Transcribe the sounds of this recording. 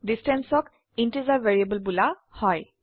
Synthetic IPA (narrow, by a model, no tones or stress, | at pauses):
distɛnsɔk | intizaveɹiebɔlbulahɔj